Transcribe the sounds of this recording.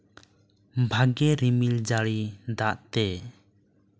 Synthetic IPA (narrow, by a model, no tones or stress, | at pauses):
bʱaɡɛɾimild͡ʒaɽid̪aʔt̪ɛ